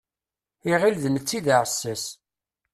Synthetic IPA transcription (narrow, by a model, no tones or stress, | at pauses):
iʁilðəmət͡sːiðaʕəsːæs